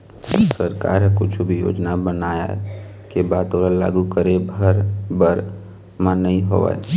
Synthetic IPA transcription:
səɾka̰ːɾɦekʊt͡ʃʰubʱijo̰ːd͡ʒnabənaːjaɦɛ̰ | kebaːd̪oːɾala̰ːɡukəɾebʱəɾbəɾ | mãnəĩɦo̰ːa̰

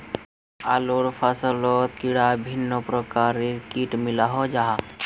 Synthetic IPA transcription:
a̰loːɽpʰasəloːt̪kiɽabʱɪnːopɾəkaːɾiɾkiːʈmɪlaɦod͡ʒaɦa

